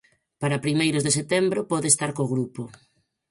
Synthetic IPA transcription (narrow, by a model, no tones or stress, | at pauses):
paɾapɾimejɾʊzðeset̪ɛmbɾopɔðeːst̪aɾkoɣɾupo